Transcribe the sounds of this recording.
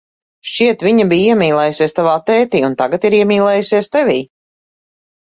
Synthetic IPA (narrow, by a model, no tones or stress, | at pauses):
ʃt͡ʃiɛt̪viɲabiːiɛmʲiːlˠɛːjusiɛst̪avaːt̪ɛːt̪iːunt̪aɡat̪iɾiɛmʲiːlˠɛːjusiɛst̪ɛviː